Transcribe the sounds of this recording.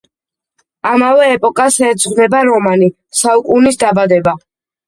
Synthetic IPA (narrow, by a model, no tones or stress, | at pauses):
amavɛːpʼɔkʼasɛːd̪zʁnɛbaɾɔmani | saukʼunisd̪abad̪ɛba